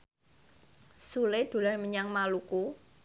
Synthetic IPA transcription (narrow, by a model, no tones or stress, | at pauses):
sulɪd̪̥ṳlarməɲaŋmaluku